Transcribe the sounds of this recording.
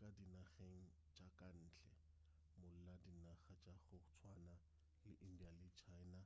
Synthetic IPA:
kʼadinaχeŋ̩ | t͡ʃʼakʼan̩ːt͡ɬʰɛ | mʊl̩ladinaχat͡ʃʼaχʊt͡sʰwana | lɪʔindialɪt͡ʃʰaɪna

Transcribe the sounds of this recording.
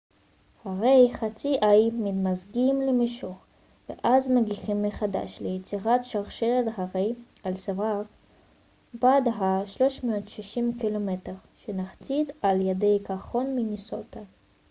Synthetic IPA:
haʁejχat͡siʔajmidmazɡimlemeʃoχ | vḛʔazmeɡiχimːeχada̰ʃlejet͡siʁatʃaʁʃeled̪haʁejalsavak | bad̪ɦaʃlo̞ʃmootʃiʃimkilomet̪eʁʃenaχt͡sid̪aljedejkaχonminisot̪a

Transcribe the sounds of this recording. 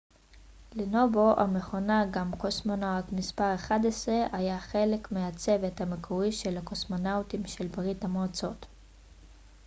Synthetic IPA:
leno̞bo̞ʔa̰me̞χo̞naɡamkosmonawtmispaʁeχadesʁeʔajaχe̞le̞kmeat͡se̞ve̞thamekʰoiʃe̞lhakosmo̞nawtimʃe̞lbʁithamoat͡so̞t

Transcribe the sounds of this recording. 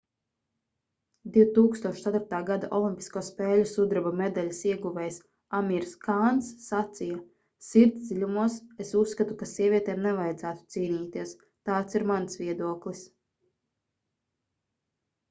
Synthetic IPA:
d̪iwt̪uːkst̪uɔʃt̪at̪uɾt̪aːɡad̪aʔɔlˠimʲpi̥skuɔspɛːlʲusud̪ɾɛbumed̪alʲisiɛɡuvɛjs | amiɾskaːnsːat̪sija | siɾt̪d̪ilʲumuɔsesusːkat̪ukasiɛvʲiɛt̪ɛːmnɛvajd̪zæːt̪u̥t̪siːniːt̪iɛs | t̪aːt̪siɾmansviɛd̪uɔklˠis

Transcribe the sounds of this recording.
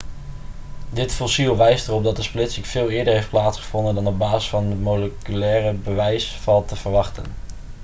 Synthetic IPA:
dɪtfɔsilˠʋɛjstərɔb̚dɑt̚dəsplɪtsikv̥ɪːlˠɪːdəɹɦejft̚plaːtsχəv̥ɔndəndɑnəbaːsəsfɑnəmoləkylɛːrəbəʋɛjsfɑlˠtəv̥əɹʋɑχtə̰n

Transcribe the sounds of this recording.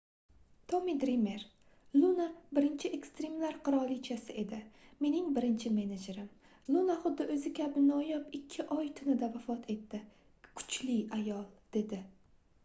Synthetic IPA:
t̪ʰomid̪ɾeme̞ɾ | lˠunabɪɾɪnt͡ʃʰɪekst̪ɾemlaɾqʰɨɾɒlˠit͡ʃʰasɪʔe̞d̪ɪme̞nɪŋbɪɾɪnt͡ʃʰɪme̞ned͡ʒeɾɪm | lˠunaχʊd̪ːɪʔɵzɪkʲʰabɪnɒjɒpɪkʲʰːɪʔɒjt̪ʰɪnɪd̪avafɒt̪ʰe̞t̪ʰːɪ | kʰʊ̥t͡ʃlɪajɒlˠd̪̥e̞d̪ɪ

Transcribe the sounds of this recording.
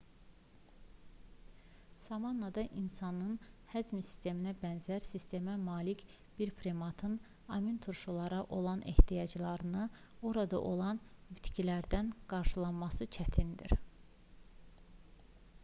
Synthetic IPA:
sɑmɑnːɑd̪ɑʔinsɑnɯnhæd͡ʒmisi̥st̪e̞minæbænzæɾsist̪e̞mæmɑːlic | b̥iɾpʰɾemɑt̪ʰɯn | ɑmint̪ʰuɾʃulˠɑɾɑʔo̞lˠɑnʔḛht̪ʰijɑd͡ʒlˠɑɾɯnɯ | o̞ɾɑd̪ɑ̰ʔo̞lˠɑnbit̪cʰilæɾd̪ænɡ̥ɑɾʃɯlˠɑnmɑsɯt͡ʃʰæt̪ʰind̪ḭɾ

